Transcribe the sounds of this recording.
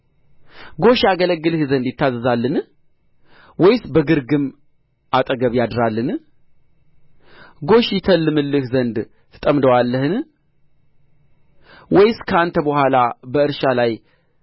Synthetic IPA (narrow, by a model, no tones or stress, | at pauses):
ɡo̞ʃjaɡələɡːɨlɨhzənd̪jɪt̪ʰːazəzalːɨn | wɔjsbəɡɨɾɡɨm | ʔat̪ʼəɡəβjad̪ɾalːɨn | ɡo̞ʃjɪt̪ʰəlːɨmɨlːɨhzənd̪ | t̪ʰɨ̥t̪ʼəmd̪əwalːəhɨn | wɔjskʰəant̪ʰəbəhʷalabəɨɾʃalaj